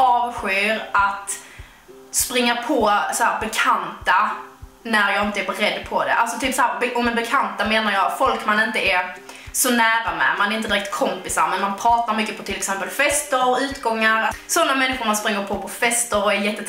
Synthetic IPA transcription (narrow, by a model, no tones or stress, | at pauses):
ɑːvɧøːɾʔat̪ | spɾɪŋːapʰɔsɔhæːɾbɛkʰant̪anæɾjɑːɡɪnt̪əɛɾbɛɾɛd̪ːpʰɔd̪ɛ̰ʔa̰lt̪sɔt̪ʰyːpsɔhæːɾbɛʔɔmɛnbɛkʰant̪ameːnaɾjɑːfɔlkmanɪnt̪əɛ | sɔnæːɾamɛ̰manɛɾɪnəd̪ɪɾɛk̚t̪̚kʰɔmpɪsa̰ɾmɛnmanpʰɾɑːt̪aɾmʏkːəpʰɔt̪ʰɪlɛksɛmpəlfɛst̪əɾʉ̟ːt̪ɡɔŋːaɾsɔnːamɛnːɪɧʊɾmanspɾɪŋːəɾpʰɔpʰɔfɛst̪əɾɔɛjɛt̪ːə